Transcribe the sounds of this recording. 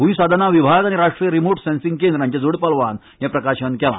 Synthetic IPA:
ɦuisad̪ʱanaʋibʱaɡaɽ̃iɾaʂʈɾijəɾimoɾʈsɛ̃nsĩŋɡkend̪ɾãɲt͡ɕjad͡zoɽpalʋan | japɾəkaɕənkɛla̰

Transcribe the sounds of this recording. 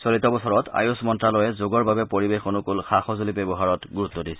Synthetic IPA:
sɔɹitːɔbɔsɔɹɔta̰jʊsmɔntɹalɔjɛzoɡɔɹbabɛpoɹibexonʊkolxaxɔzolibebɔɦaɹɔtɡuɹutːɔdisɛ̥

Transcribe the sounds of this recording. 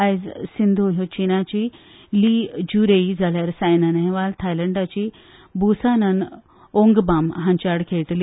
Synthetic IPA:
ajd͡zsind̪ʱoɦot͡ɕinat͡ɕi | lid͡ʑuɾeid͡zʱaljaɾsajnanɦɛʋalt̪ʰajləɳɖat͡ɕiː | busanən | oŋɡbamɦãɲt͡ɕaɽkʰeʈl

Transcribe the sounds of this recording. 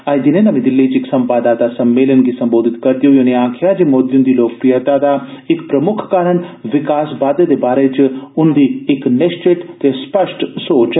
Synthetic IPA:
aːjd̪inenɐmĩd̪ɪlːit͡ʃiksɐmpaːd̪aːt̪asɐmːeːlənɡisɐ̃mboːd̪ʱɪt̪kɐɾt̪ijojoneaːkʰjad͡ʒemoːd̪jũnd̪iloːk̚pɾijət̪aːd̪aɪkpɾɐmʊkʰkaːɾənʋɪkaːsbaːd̪jed̪ebaːɾet͡ʃʊnd̪iːknest͡ʃeʈt̪espɐʃʈsoːt͡ʃ

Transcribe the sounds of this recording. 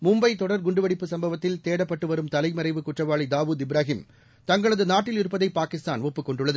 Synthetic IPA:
mʊmbɐɪt̪ɔɽɐɾɡʊɳɖɯʋɐɽɪpːɯsɐmbɐʋɐt̪ːɪlt̪eːɽɐpːɐʈːɯʋɐɾɯmt̪ɐlɐɪmɐɾɐɪʋɯkʊʈrɐʋaːɭid̪aːʋuːd̪ɪbɪɾaːɦɪm | t̪ɐŋɡɐɭɐðɯnaːʈːɪlɪɾɯpːɐðɐɪpaːkɪst̪aːnɔpːɯkːɔɳɖɯɭːɐðɯ

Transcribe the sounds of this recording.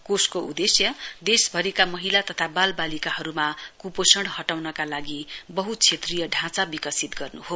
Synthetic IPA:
kuskoud̪esjʌd̪esbʱʌɾikamʌɦilat̪ʌt̪ʰabalbalikaɦʌɾumakuposʌɽhʌʈawnʌkalaɡibʌɦut͡sʰet̪rijʌɖʱãt͡sabikʌsit̪ɡʌrnuɦo

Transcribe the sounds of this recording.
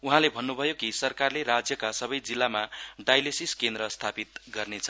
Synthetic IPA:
uɦãlebʱʌnːubʱʌjokisʌrkarleɾad͡zjʌkasʌbʌjd͡zilːamaɖajlesiskend̪ɾʌst̪ʰapit̪̚ɡʌrnet͡sʰʌ

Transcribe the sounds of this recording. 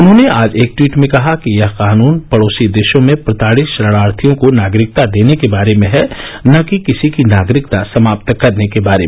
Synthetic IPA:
ʊnɦõneaːd͡ʒeːk̚ʈwiːʈmẽkɐɦakijɐɦqaːnuːnpɐɽoːsid̪eːʃõmẽpɾɐt̪aːɽɪʃɾɐɽaːɾt̪ʰijõkonaːɡɾɪk̚t̪ad̪eːnekebaːɾemẽɦɛnakikɪsikinaːɡɾɪk̚t̪asɐmaːp̚t̪kɐɾnekebaːɾem

